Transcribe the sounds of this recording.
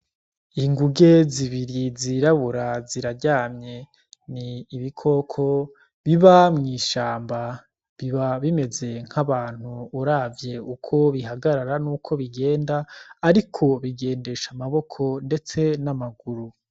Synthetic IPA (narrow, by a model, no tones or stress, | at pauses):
iŋɡuɡe̞ziβiɾiziɾaβuɾaziɾaɾɟaːmɲe̞ | niːβikʰo̞kʰo̞ | βiβamŋiːʃaːmba | βiβaβime̞ze̞ŋ̥haβaːn̥huːɾaːvje̞ukʰo̞βiɦaɡaɾaɾanuːkʰo̞βiɡe̞ːndaːɾikʰo̞βiɡe̞ːnde̞ʃamaβo̞kʰo̞nde̞t͡se̞namaɡuɾu